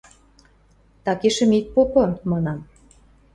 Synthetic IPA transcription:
t̪ɑkeʃə̆mit̪̚popɤ̆mɑnɑm

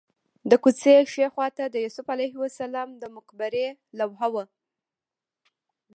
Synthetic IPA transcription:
d̪əkut͡seʃexwɑt̪ad̪əjusʊfalajɦwasalɑmd̪əmʊkbaɾelawɦawə

